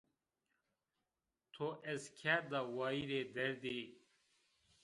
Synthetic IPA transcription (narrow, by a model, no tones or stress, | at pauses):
t̪ʰoʔeskʰad̪awaːiɾed̪eɾd̪i